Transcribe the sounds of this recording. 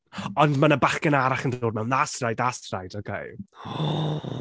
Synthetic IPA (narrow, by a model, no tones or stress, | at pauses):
ɔndmanəbaχkənaɾaχəndoːd̚mɛwnastrajdastrajdokʰḛj